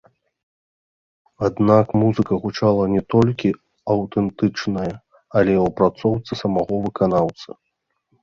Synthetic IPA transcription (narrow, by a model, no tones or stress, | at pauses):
ad̪nakmuzɨkɐɣut͡ʂalˠɐnʲɛt̪ɔlʲkʲi | ɐwt̪ɛnt̪ɨt͡ʂnɐjɐ | ɐlʲɛwpɾat̪sɔwt̪sɨsɐmaɣɔvɨkanawt̪sɐ